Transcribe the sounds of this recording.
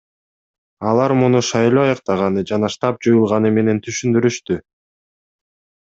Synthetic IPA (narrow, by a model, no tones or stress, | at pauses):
ɑlˠɑɾmunuʃɑjlˠoːɑjɑq̚t̪ɑʁɑnɯd͡ʒɑnɑʃt̪ɑp̚d͡ʒujulˠʁɑnɯme̞ne̞nt̪ʰyʃynd̪yɾyʃt̪y